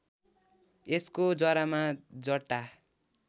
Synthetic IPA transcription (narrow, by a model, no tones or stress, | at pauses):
eskod͡zʌɾamad͡zʌʈːa